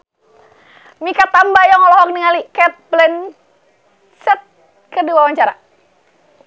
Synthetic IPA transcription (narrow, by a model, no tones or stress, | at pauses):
mikat̪ambajaŋɔlɔhɔk̚niŋalikɛt̪̚blɛn | sɛt̪̚ | kəduawaɲt͡ʃaɾa̰